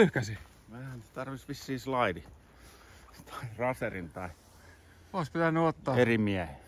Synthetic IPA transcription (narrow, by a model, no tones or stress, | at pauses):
yhkæsi | ehænt̪ɑrʋisʋisːiːslɑidi | t̪ʰɑ̥irɑserint̪ɑi | oˑispit̪ænːyot̪ːɑːerimiæhe